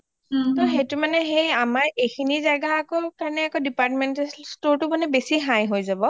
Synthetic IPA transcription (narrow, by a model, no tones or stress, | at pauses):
t̪ɔɦetʊmanɛɦejamaɹejkʰinizaɡaːkɔkaɹnɛakɔdipaɹtmɛntastoɹtʊbɔnɛbesiɦãjɦojzabɔ